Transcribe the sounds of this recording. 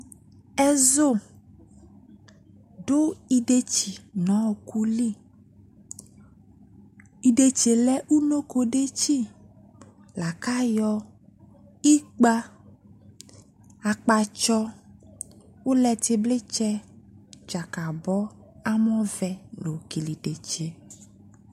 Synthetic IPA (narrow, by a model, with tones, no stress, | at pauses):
ɛ˦zo˦˨ | ɖo˦i˦ɖe˦t͡ɕi˨nɔ̃˨˦˨ku˦li˦ | i˨ɖe˦t͡ʃe˨lɛ˦ʔu˦no˦ko˨ɖe˦t͡ɕi˦ | la˨ka˦jɔ˦ | i˦k͡pa˦ | a˨k͡pa˨t͡ʃɔ˦ | wo˦lɛ˨t̪e˨ble˦t͡ʃɛ˦ | d͡ʒa˨ka˨bɔ˦a˦mɔ̃˦vɛ˨lo˨ki˨li˨ɖe˨t͡ʃe˨